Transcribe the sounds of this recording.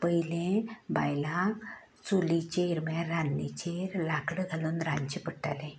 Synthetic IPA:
pəjlẽba̰jlãk | t͡sulit͡ɕeɾmaɾanːit͡ɕeɾlakɽəɡʱalunɾaɲt͡ɕipəʈa̰lẽ

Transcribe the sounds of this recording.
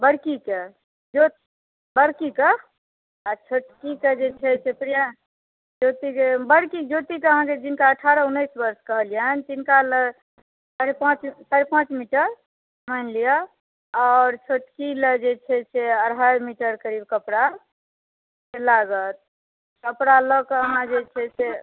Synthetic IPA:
bəɽkike | d͡ʒot̪ | bəɽkike | at͡ʃʰoʈkiked͡ʒet͡ʃʰɛt͡ʃʰepɾija | d͡ʒot̪ikebəɽkid͡ʒot̪ikeəɦãked͡ʒinkaəʈʰaɾəunːəjsbəɾskəɦəljənt̪inkalə | saɾepãt͡ʃsaɾepãt͡ʃmiʈəɾ | mənlijə | ɔːɾt͡ʃʰoʈkiled͡ʒet͡ʃʰɛt͡ʃʰeəɾɦajmiʈəɾkəɾib̚kəpɽa | selaɡət̪̚ | kəpɾalɔkeəɦãd͡ʒet͡ʃʰɛsʰe

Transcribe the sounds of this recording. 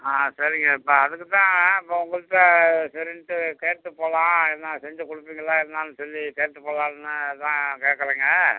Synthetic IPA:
aːsɐɾɪŋɡɐɪpːɐɐðɯkːɯt̪ãːɪpːoʊŋɡɐɭɯʈːɐsɛɾɪnʈːɯkeːʈt̪ːɯpːoːlãːɛnːaːsɛɲd͡ʒɐkʊɽɯpːiːŋɡɐɭːaːɛɾnːaːnːɯsɔlːikeːɾʈ̪ːɯpoːlãːnnːɯt̪ãːkeːkːɐleːŋɡɐ

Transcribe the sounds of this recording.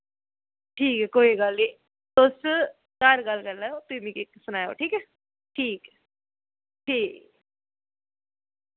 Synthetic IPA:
ʈʰiːkɛkoːiɡalːi | t̪os | kaɾɡɐlkɐɾlajot̪imikeksʊnaːjo̰ʈʰiːkɛ | ʈʰiːk | ʈʰiːk

